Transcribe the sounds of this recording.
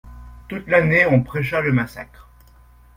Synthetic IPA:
t̪ut̪laneɔ̃pχɛʃaləmasa̰kχ

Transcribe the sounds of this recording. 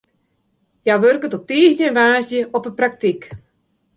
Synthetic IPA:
jaʋørkətɔp̚tiːɣnənʋaːsdjəɔpəprak̚tik

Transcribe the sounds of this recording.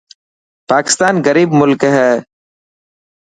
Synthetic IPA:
paːkɪ̥st̪aːnɣəɾiːbmʊlkɦɛː

